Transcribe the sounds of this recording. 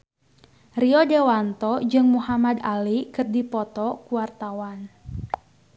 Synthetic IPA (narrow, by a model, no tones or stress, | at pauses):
riɔdewant̪ɔd͡ʒɨŋmuɦamad̪alikɨrdipɔt̪ɔkuwart̪awan